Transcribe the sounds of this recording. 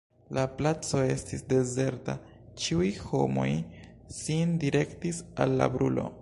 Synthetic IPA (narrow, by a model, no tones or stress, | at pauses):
laplat͡so̞e̞stisde̞ze̞ɾta̰ | t͡ʃiujho̞̰mo̞j | sindiɾe̞ktisa̰lːa̰bɾulo̞̰